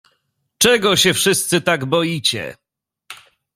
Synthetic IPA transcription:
t͡ʂɛɡɔɕɛfʂɘst̪sɘt̪aɡbɔjit͡ɕɛ̰

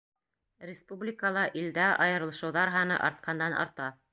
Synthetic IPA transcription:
rʲɪspublʲɪkəlˠɑʔild̪æʔɑjɤ̆ɾɤ̆lˠɤ̆ʃɤ̆wðɑɾɦɑnɤ̰ʔɑ̰ɾt̪̚qʰɑnd̪ɑnɑ̰ɾt̪ɑ

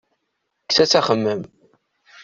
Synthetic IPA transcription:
ksæt͡sːæχəmːəm

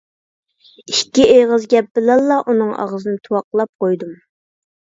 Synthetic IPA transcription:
ikʲːiʔeʁəzɡʲɛp̚b̥ɪlɛlˠːɑʔunɨŋɑ̰ʁəzɨnɪt̪ʰuwɑqlˠɑp̚qojd̪um

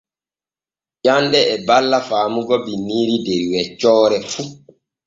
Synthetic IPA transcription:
d͡ʒandɛːbalːafaːmuɡɔbiniːɾideɾiwɛt͡ʃːɔːɾɛfu

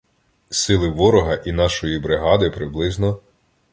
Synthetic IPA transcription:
sɪlˠɪʋɔɾɔɦɐʔinɑʃɔjibɾɪɦɑd̪ɪpɾɪblˠɪznɔ

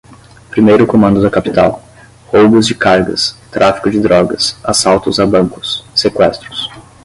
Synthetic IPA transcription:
pɾimejɾʊkomɐ̃nd̪ʊd̪ɐkapi̥t̪aw | hobʊzd͡ʒɪkaɾɡɐ̰st̪ɾʔafi̥kʊd͡ʒɪd̪ɾɔɡɐsasawt̪ʊzabɐ̃ŋkʊ̥sːekwɛst̪ɾʊs

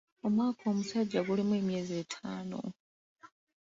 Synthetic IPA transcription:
omwaːkʰo̞ːmusaɟːaɡulimwe̞ːmje̞ːzeːtʰaːno̞̰

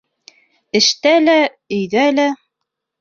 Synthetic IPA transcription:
ɘ̆ʃt̪ælæ | ɵ̆jðælæ

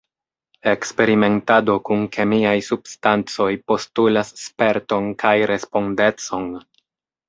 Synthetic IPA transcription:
e̞kspe̞ɾime̞ntado̞kunkʰe̞miajsubstant͡so̞jpo̞stulasːpe̞ɾto̞nkʰajɾe̞spo̞nde̞t͡so̞n

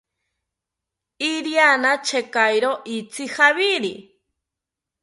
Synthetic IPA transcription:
iɾianat͡ʃʰekajɾoʔit͡sʰihaβiɾi

